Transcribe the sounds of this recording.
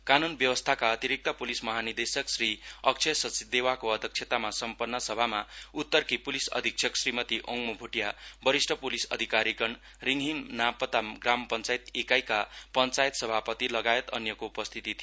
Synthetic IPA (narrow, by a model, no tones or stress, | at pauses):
kanunbjʌwʌst̪ʰakaʌt̪iɾik̚t̪apulismʌɦanid̪esʌksriʌk̚t͡sʰʌsʌt͡sid̪ewakoʌd̪ʱjʌk̚t͡ʃʰet̪amasʌmpʌnːʌsʌbʱamaut̪ːʌrkipulisʌ̰d̪ʱik̚t͡sʰʌksrimʌt̪iʔoŋɡmubʱuʈjabʌɾisʈʰʌpulisʌ̰d̪ʱikaɾikʌn | riŋɦiŋnapʌt̪amɡrampʌnt͡sajit̪ekajkapʌnt͡sajt̪sʌbʱapʌt̪ilʌɡaet̪ʌnjʌkoupʌst̪ʰit̪it̪ʰij